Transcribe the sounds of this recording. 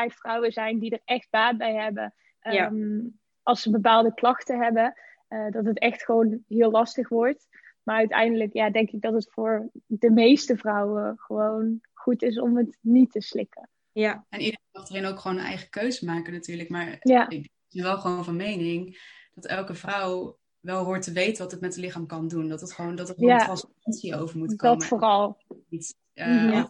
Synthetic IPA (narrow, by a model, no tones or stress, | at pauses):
ɛjtfrʌwəzɛjndidəɹɛχd̚b̥aːt̚bɛjɦɛbə | m | ʔɑlˠsəbəp̬aːlˠdəklɑχtəɦɛbə | ədɑtɦətɛxtχəʋownɦɪːlɑstəχʋɔɹt | maːɹœɥtɛ̰jndələkjaːdɛŋkɪɡ̚dɑtɦətfʊːɹdəmejstəvrʌwəχəʋownχutɪs̬ɔ̰mɦətnitəslɪkə | jaɛnɪdəɑχtərenowkχəʋownənʔɛ̰jχəkøɥzəmaːkənatyːɹləkmaːɹjad | ɪsəʋɛlˠχəʋonvɑnmejnɪŋd̥ɑtɛlˠkəvrɑw | ʋɛlˠɦʊːɹtəʋejtənʋɑtətmɛtəlɪχaːmkɑndundɑtətχəʋowndɑtəjatrɑnspɑnsiowvəɹmutkdɑmfʊːrɑlˠit